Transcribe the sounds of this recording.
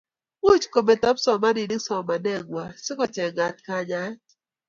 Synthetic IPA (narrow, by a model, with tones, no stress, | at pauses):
u˦t͡ʃko˨mɛ˨tɔ˦psɔ˨ma˦ni˨nɪ˦sɔ˨ma˨nɛ˦ŋwa˨sɪ˦kɔ˨t͡ʃɛ˨ŋa˨t̚ka˦ɲa˦